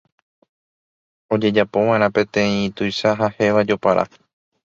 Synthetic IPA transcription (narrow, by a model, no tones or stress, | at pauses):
o̞d͡ʒe̞d͡ʒapo̞ʋãẽɾ̃ãpẽ̞t̪ẽ̞ĩt̪ujʃaɦahe̞ʋad͡ʒo̞paɾʔa̰